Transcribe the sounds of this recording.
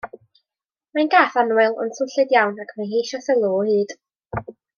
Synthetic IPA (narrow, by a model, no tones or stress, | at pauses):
majnɡaːθanwɪlˠʊ̰nsʊnɬɨdjawnakʰmanhejʃɔθəlˠɔːhɨːd̥